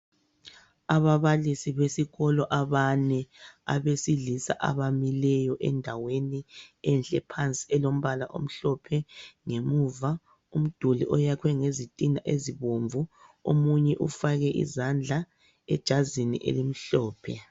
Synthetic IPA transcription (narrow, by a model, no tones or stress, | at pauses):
aβaβalisiβesiɣɔlɔʔaβanɛa̰βesiɮisa̰ʔa̰βamilɛjɔʔɛndʱaweniɛnɬʼɛpʰant͡sʼiɛlom̩βalaʔo̰m̩ɬɔpʰɛŋemuːva | um̩d̥ʱulḭʔɔjakʰwɛŋezitʼinaʔeziβoɱvʱuo̰muɲɛʔufaɣɛʔḭzand͡ɮʱa | ɛ̰d̥ʒ̥ʱazinḭʔḛlim̩ɬɔːpʰɛ